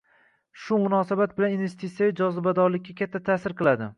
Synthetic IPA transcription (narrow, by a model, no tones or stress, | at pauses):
ʃʊmʊnɒsabat̪̚bɪlaninve̞st̪ʰit̪sʲjaɪd͡ʒɒzɪbad̪ɒɾlɪk̚ʲːakʲat̪ʰːat̪ʰaːsɪɾqɨlˠad̪ɪ̰